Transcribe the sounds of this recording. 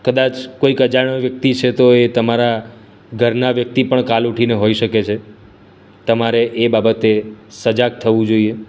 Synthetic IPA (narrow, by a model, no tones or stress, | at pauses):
kəd̪at͡ʃkoikəd͡ʒaɳ̃əʋjək̚t̪it͡ʃʰet̪oet̪əmaɾa | ɡʱəɾnaʋjək̚t̪ipəɳkaluʈʰineɦoiʃəket͡ʃʰe | t̪əmaɾeʔebabət̪esəd͡ʒak̚t̪ʰəʋũd͡ʒoie